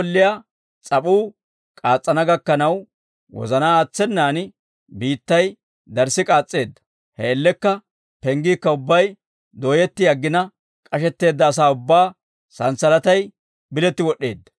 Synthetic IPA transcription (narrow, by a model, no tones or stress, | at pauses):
ɔlːɪja | t͡sʼɐpuː | kʼaːt͡sʼːɐnɐɡɐkːɐnɐw | wɔ̰zɐnaːaːt͡sːɛnːaːnɪ | biːt̪ːɐj | d̪ɐɾsɪkʼaːt͡sʼːe̞ːd̪ːɐ̥ | hɛɛlːɛkːɐ | pɛŋɡiːkːɐʊbːɐj | d̪o̞ːjɛt̪ːɪjɐɡːɪnɐ | kʼɐʃɛt̪ːe̞ːd̪ːɐːs̬aːʊbːaː | sɐnsɐlɐt̪ɐj | bɪlɛt̪ːɪwɔɗːe̞̰ːd̪ːɐ̥